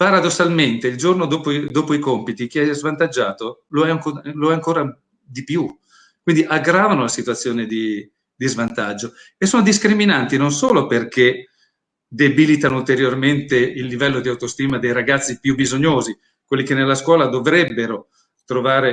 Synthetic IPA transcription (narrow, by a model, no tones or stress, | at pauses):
paɾad̪osːalment̪eild͡ʒornod̪oːpod̪oːpoikompit̪ik̟iɛzvant̪ad͡ʒːaːt̪oloɛaŋkoloɛaŋkoːɾa | d̪ipju | kwind̪iʔaɡɾaːvanolasit̪uat̪sːjoːned̪i | d̪izvant̪ad͡ʒːo | esːoːnod̪iskɾiminant̪inonsoːloperkʰe | d̪ebilit̪anoult̪eɾjorment̪eilːivɛlːod̪iawt̪ost̪iːmad̪ejɾaɡat̪sːipjubizoɲːoːzi | kwelːikenːelːaskwɔːlad̪ovɾɛbːeɾo | t̪ɾovaːɾe